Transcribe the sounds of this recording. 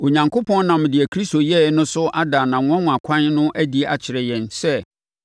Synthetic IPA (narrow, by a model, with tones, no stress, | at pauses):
o˨ɲã˨ŋkʰo˦pʰɔ̃˦n˦nã˨m˨dɪ˨ɛ˨kʰɾi˦sto˨jɛ˦nʊ̃˦sʊ˦ʔa˦daː˨nã˨ŋʊ̃˨˦ɔ̃˦ŋʊ̃˨a˨kʷʰã˦nnʊ̃˦ʔæ˦di˨ʔa̰˨t͡ɕʰɪ˨ɾɛ˨jɛ̃˨nsɛ˦˨